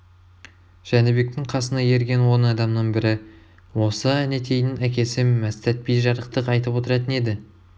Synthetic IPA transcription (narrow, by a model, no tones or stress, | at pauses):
ʒ̥ænɪbe̞k̚t̪ɪŋqʰɑsənɑje̞ɾɡʲe̞nwo̞nɑd̪ɑmnəɴbɪɾɪ | wo̞səæne̞t̪ʰe̞jnɪnækʲe̞sɪmːæst̪æt̪̚pijʒɑɾəq̚t̪əqɑjt̪əpwo̞t̪əɾɑt̪əne̞d̪ɪ